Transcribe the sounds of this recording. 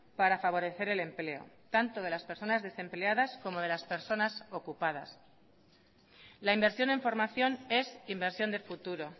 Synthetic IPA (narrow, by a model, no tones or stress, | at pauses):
paɾafaβ̞o̞ɾe̞θe̞ɾe̞le̞mple̞o̞̰ | t̪ant̪o̞ð̞e̞laspe̞ɾso̞nazðe̞se̞mpleaðasko̞mo̞ðe̞laspe̞ɾso̞naso̞kupað̞a̰s | laimbe̞ɾsjo̞ne̞ɱfo̞ɾmaθjo̞ne̞simbe̞ɾsjo̞nd̪e̞fut̪uɾo̞